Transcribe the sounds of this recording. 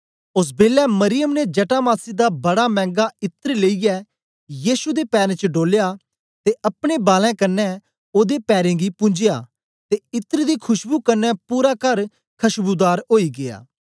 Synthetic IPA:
ʊs̬beːlɛmɐɾɪjəmned͡ʒɐʈaːmaːsid̪abɐɽamɛ̃ːŋɡaɪt̪əɾleːijɛ | jiːsud̪epɛːɾẽt͡ʃəɖoːlja | t̪eʔɐpɽ̃ebaːlɛ̃kɐnːɛ | oːd̪epɛːɾẽːɡipʊ̃ɲd͡ʒɪjaː | t̪eɪt̪əɾd̪ikʰʊʃbukɐnːɛpuːɾakɐɾ | kʰɐʃbud̪aːɾoːiɡɪja̰ː

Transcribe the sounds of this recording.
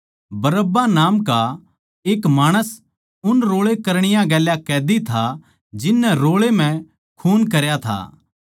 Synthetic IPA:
bɐɾəbanaːmka | eːkmaːɽ̃əs | ʊnɾoːɭekɐɾɽ̃ɪjãɡɛːljakɛːd̪it̪ʰa | d͡ʒɪnːɛɾoːɭem̤ɛ̃ | kʰuːnkɐɾjat̪ʰa̰ː

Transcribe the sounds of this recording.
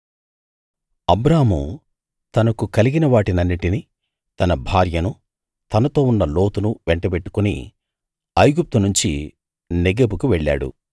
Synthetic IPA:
ɐbɾaːɦmṵ | t̪ɐnɐkukɐliɡinɐʋaːʈinɐnːiʈini | t̪ɐnɐbʱaːɾjɐnu | t̪ɐnɐt̪o̞ːunːɐlo̞ːt̪unuʋɛɳʈɐbeʈːu̥kunḭ | ɐjɡup̚t̪unuɲt͡ʃḭ | neɡeːbukuʋɛɭːa̰ːɽṵ

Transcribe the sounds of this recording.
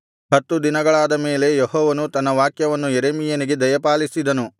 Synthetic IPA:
ɦɐt̪ːud̪inɐɡɐɭaːd̪ɐme̞ːle̞jeɦɔːʋɐnut̪ɐnːɐʋaːkjɐʋɐnːujeɾeːmijɐniɡe̞d̪ɐjɐpaːlisid̪ɐnu

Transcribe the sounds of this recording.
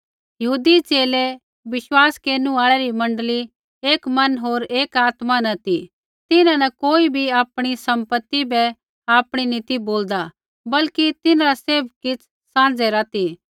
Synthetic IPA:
jɐɦuːd̪it͡ʃeːle | ʋɪʃwaːskeːnũaːɭɛɾimɐ̃ɳɖəli | eːkmɐnɦoːɾeːkaːt̪manɐt̪i | t̪ɪnãnɐkoːibʱiaːpɽ̃isɐ̃mpət̪ːibɛ | aːpɽ̃inɪt̪iboːld̪a | bɐlkit̪ɪnaɾaseːb̚kɪt͡sʰ | sãːd͡zɛɾat̪i

